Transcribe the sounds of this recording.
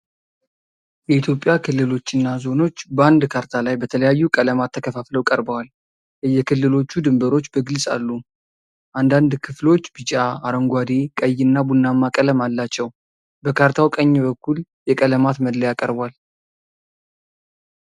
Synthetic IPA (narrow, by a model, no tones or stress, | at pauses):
jɛit̪ʰjo̞pʼːjakʰɨlːɨlo̞t͡ʃːɨnːazo̞no̞t͡ʃːbəand̪kʰaɾt̪ʰalajbət̪ʰələjajːukʼələmat̪ʰːəkʰəfafləwkʼəɾbəwal | jɛjːɛkʰɨlːɨlo̞t͡ʃːud̪ɨmbəɾo̞t͡ʃːbəɡɨlsʼa̰lːu | ʔand̪and̪kʰɨflo̞t͡ʃːb̥ɨt͡ʃʼaaɾəŋɡʷad̪ekʼəjːɨnːabunːamːakʼələmalːat͡ʃːɛw | bəkʰaɾt̪ʰawkʼəɲːbəkʰːuljɛkʼələmat̪məd̪ləjakʼəɾbwal